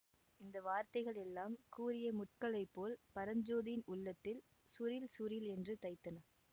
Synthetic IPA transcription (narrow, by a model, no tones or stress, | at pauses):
ɪnd̪ɐʋaːɾt̪ɐɪɣɐɭɛlːaːmkuːɾɪjɐmʊʈ̚kɐɭɐɪpːoːlpɐɾɐɲd͡ʒoːðɪjɪnʊɭːɐt̪ːɪl | sʊɾɪlsʊɾɪlɛndrɯt̪ɐɪt̪ːɐnɐ